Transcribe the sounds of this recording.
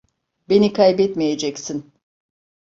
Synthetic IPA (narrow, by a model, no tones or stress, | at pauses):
be̞nikʰajbɛt̪mijed͡ʒɛcsin